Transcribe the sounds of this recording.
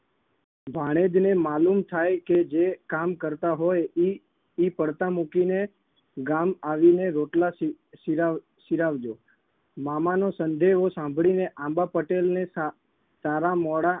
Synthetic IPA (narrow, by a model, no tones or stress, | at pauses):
bʱaɽ̃ed̪nemalumt̪ʰajked͡ʒekamkəɾt̪aɦoji | ipəɽt̪amukine | ɡamaʋineɾoʈla | iɾa | ʃiɾaʋd͡ʒo | mamanosənd̪eʋosãmbʱɭineʔãmbapəʈelne | saɾamɔɽa